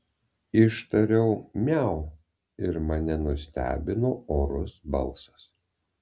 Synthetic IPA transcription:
ɪʃt̪ɐɾʲɛʊmʲæˑʊ | ɪɾmɐnʲɛnʊsʲt̪ʲæ̰ːbʲɪnoːoːɾʊsbɐ̰lˠsɐ̥s

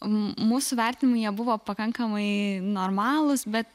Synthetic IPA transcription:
muːsʊʋʲɛrʲt̪ʲɪnʲɪmʊɪnʲiɛbʊʋoːpɐkɐŋkɐmɐɪnoːɾmɑːlˠʊsbʲɛt̪

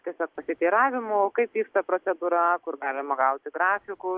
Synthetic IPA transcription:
t̪ʲiɛsʲoːk̚pɐsʲɪt̪ʲiːɾɑːʋʲɪmokɐɪpʋʲiːkst̪ɐpɾoːt͡s̪ʲɛd̪uːɾɐkʊɾɡɑːlʲɪmɐɡɐʊt̪ʲɪɡɾɑːfʲɪkʊ

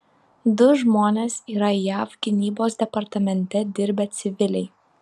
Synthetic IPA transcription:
d̪ʊʒmoːnʲeːsiːɾɐjæːfɡʲɪnʲiːboːs̬d̪ʲɛpɐɾt̪ɐmʲɛnʲt̪ʲɛd̪ʲɪɾʲbʲɛt̪sʲɪʋʲɪlʲɛɪ

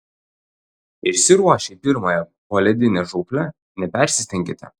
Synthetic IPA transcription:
ɪʃʲsʲɪɾuɔʃʲɛpʲɪɾmɐjɛ | poːlʲɛd̪ʲɪnʲɛʒukʲlʲɛ | nʲɛpʲɛˑɾʲsʲɪsʲt̪ʲɛŋʲkʲɪt̪ʲɛ̰

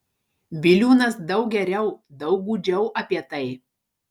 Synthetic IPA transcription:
bʲɪlʲuːnɐsd̪ɐʊk̚ɡʲɛɾʲɛʊd̪ɐʊk̚ɡuːd͡ʒʲɛʊʔɐpʲiɛt̪ɐɪ

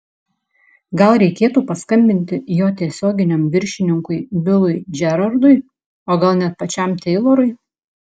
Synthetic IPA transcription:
ɡɐlˠɾʲɛɪkʲeːt̪uːpɐskɐmʲbʲɪnʲt̪ʲɪjoːt̪ʲiɛsʲoːɡʲɪnʲɛmʋʲɪɾʲʃʲɪnʲɪŋkʊɪbʲɪlˠʊɪʒʲɛɾɐɾd̪ʊɪ | oːɡɐlˠnʲɛt̪̚pɐt͡ʃʲɛˑmt̪ʲɛɪlˠoːɾʊɪ

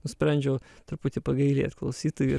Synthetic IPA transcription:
nʊsʲpʲɾʲænʲd͡ʒʲɛːt̪ɐɾput̪ʲɪpɐɡɐɪlʲeːɐt̪̚klˠɐʊsʲiːt̪ʊjʲu

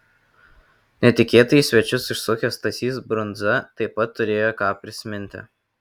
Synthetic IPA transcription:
nʲɛt̪ʲɪkʲeːt̪ɐjsʲʋʲɛt͡ʃʲʊsɪʃsʊkʲoːst̪ɐsʲiːsbɾʊnd̪zɐt̪ɐɪpːɐt̪ːʊɾʲeːjoːkɑːpʲɾʲɪsʲmʲɪnʲt̪ʲɪ̰

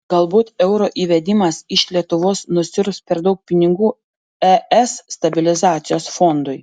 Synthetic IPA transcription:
ɡ̥ɐlˠbuːt̪ɛʊɾoːʔiːʋʲɛd̪ʲɪmɐsɪʃlʲiɛt̪ʊʋoːsnʊsʲɪɾspʲɛɾd̪ɐʊk̚pʲɪnʲɪɡuː | ɛɛsːt̪ɐbʲɪlʲɪzɑːt̪sʲɪjoːsfond̪ʊj

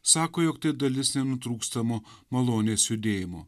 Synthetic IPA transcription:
sɑːkoːjoːkt̪ɐɪd̪ɐlʲɪsnʲɛnʊt̪ɾuːkst̪ɐmoːmɐlˠoːnʲeːsjʊd̪ʲeːjɪmoː

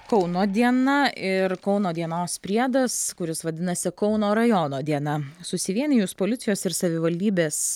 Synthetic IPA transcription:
kɒʊnoːd̪ʲiɛnɐɪɾkɔʊnoːd̪ʲiɛnoːspʲɾʲiɛd̪ɐskʊɾʲɪsʋɐd̪ʲɪnɐsʲɪkɔʊnoːɾɐjoːnoːd̪ʲiɛnɐsʊsʲɪʋʲiɛnʲɪjuspoːlʲɪt̪sʲɪjoːsɪɾsɐʋʲɪʋɐlʲd̪ʲiːbʲeːs

